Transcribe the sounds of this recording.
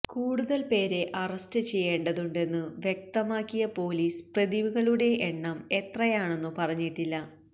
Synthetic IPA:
kuːɽuðɐlpe̞ːɾe̞ʔɐrɐstɨt͡ɕe̞jːeːɳɖɐðuɳɖe̞nːɨʋjek̚t̪ɐmaːkːijɐpo̞ːliːsprɐðiʋuɣɐɭuɽe̞ʔːɳːɐmet̪rɐjaːɳe̞nːɨpɐrɐɲːiʈːilːɐ

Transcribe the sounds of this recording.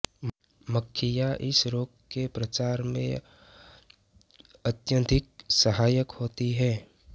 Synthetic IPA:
məkʰːɪjaʔɪsɾoːɡ̚kepɾət͡ʃaːɾmḛ̃ | ɐt̪jə̃nd̪ʱɪk̚səɦaːjəkhoːt̪iɦɛː

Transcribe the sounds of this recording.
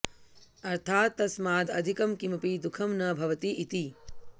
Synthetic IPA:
ɐɾt̪ʰaːt̪ːɐsmaːd̪ɐd̪ʱikɐmkimɐpid̪ukʰɐmnɐbʱɐʋɐt̪iit̪i

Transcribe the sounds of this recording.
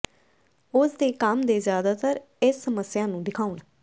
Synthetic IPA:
ʊsd̪eːkəmd̪eːzjaːd̪aːt̪əɾ | ɪsːəməsjãːnũːɖɪkʰaːʊn

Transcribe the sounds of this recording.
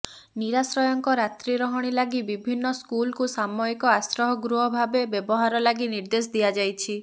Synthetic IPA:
niɾasɾɔjɔŋkɔɾat̪ɾiɾɔɦɔɽ̃ilaɡibibʱinːɔskulkusamɔikɔasɾɔɦɔɡɾuɦɔbʱabebjebɔɦaɾɔlaɡiniɾd̪es̬d̪ijad͡ʒajt͡ʃʰi

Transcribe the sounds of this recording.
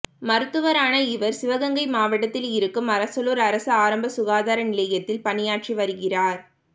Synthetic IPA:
mɐɾɯt̪ːɯʋɐɾaːnɐɪʋɐɾsɪʋɐɣɐŋɡɐɪmaːʋɐʈːɐt̪ːɪlɪɾɯkːɯmɐɾɐsɐloːɾɐɾɐsɐaːɾɐmbɐsʊɣaːðaːɾɐnɪlɐjɐt̪ːɪlpɐnɪjaːʈʂiʋɐɾɯɣɪraːɾ

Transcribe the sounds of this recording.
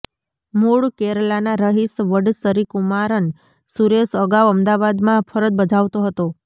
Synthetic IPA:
muɽkeɾlanaɾəɦisʋəɽsəɾikumaɾən | suɾesəɡaʋəmd̪aʋad̪mãpʰəɾət̪̚bəd͡ʒʱaʋt̪oɦət̪o

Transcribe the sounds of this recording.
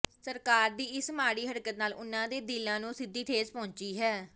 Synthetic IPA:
səɾkaːɾd̪iːɪsmaːɽiːɦəɽkət̪naːlʊnːãːd̪eːd̪ɪlãːnũːsɪd̪ːiːʈʰeːzpɔ̃ːɲt͡ʃiːɦɛː

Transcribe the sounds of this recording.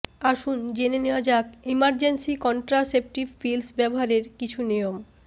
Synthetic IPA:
aʃund͡ʑeneneoad͡ʑakimaɾd͡ʑensikɔnʈɾasep̚ʈibfilsbɛboɦaɾeɾkit͡ɕʰuniom

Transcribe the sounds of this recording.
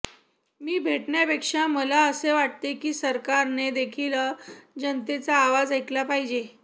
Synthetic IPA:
miːbʱeʈɳjapekʂaməlaəseʋaʈ̚t̪ekiːsəɾkaɾned̪ekʰiləd͡ʑənt̪et͡saːʋad͡zajt̪lapaɦid͡ʑe

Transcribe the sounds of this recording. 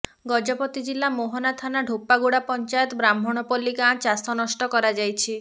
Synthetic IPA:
ɡɔd͡ʒɔpɔt̪id͡ʒilːamoɦɔnat̪ʰanaɖʱopːaɡuɽapɔnt͡ʃajɔt̪bɾamʱɔɽ̃ɔpɔlːikãt͡ʃasɔnɔsʈɔkɔɾad͡ʒajt͡ʃʰi

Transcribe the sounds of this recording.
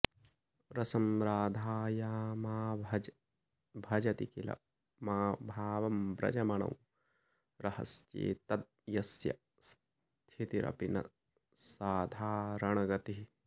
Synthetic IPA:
ɾɐsɐmɾaːd̪ʱaːjaːmaː | bʱɐd͡ʒɐt̪ikilɐ̰ | maːbʱaːʋɐmbɾɐ̰d͡ʒɐmɐɳɐ̰w | ɾɐhɐ̰st͡ʃḛːt̪ɐt̪̚jɐsjɐ̰ | s | t̪ʰit̪iɾʔɐ̰pinɐ̰ | saːd̪ʱaːɾɐɳɐɡɐt̪iɦi

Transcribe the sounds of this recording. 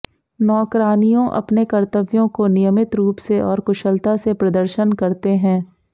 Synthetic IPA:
nɔːkɾaːnijõʔɐ̰pnekɐɾt̪əʋjõkonɪjəmɪt̪ɾuːpseʔɔːɾkʊʃəlt̪asepɾɐd̪əɾʃənkɐɾt̪eɦɛ̃ː

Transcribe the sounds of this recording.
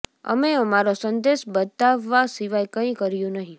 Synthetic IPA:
ə̰meəmaɾosənd̪eʃbət̪aʋːasiʋajkə̃ĩkəɾjũnəɦĩ

